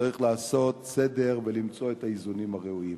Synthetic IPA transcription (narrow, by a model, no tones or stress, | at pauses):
aʁiχlaːso̞t̪se̞de̞ʁvelimt͡so̞etaizunimhaʁeuim